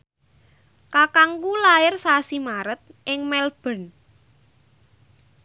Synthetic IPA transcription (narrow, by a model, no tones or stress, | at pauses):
kakaŋkulaɪrsasimaɾət̪̚ʔɪŋmɛlb̥ə̤n